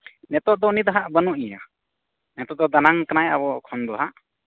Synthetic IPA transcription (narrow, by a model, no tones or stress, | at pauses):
nɛt̪ɔʔd̪ɔnid̪ɔɦaʔbənuʔija | nɛt̪ɔʔd̪ɔd̪anaŋkanajʔabɔkʰɔnd̪ɔɦaʔ